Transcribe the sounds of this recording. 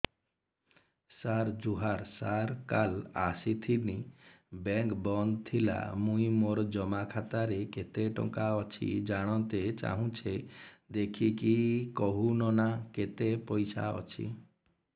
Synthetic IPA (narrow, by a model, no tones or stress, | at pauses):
saɾd͡ʒuɦaɾsaɾkalasit̪ʰini | bɛŋkbɔnd̪̚t̪ʰila̰mũĩmoɾd͡ʒɔmakʰat̪aɾeket̪eʈɔ̰̃ŋkaɔt͡ʃʰḭd͡ʒaɽ̃ɔ̃t̪et͡ʃa̰ɦũt͡ʃʰed̪ekʰikikɔɦunɔnaket̪epɔjsa̰ɔ̰t͡ʃʰḭ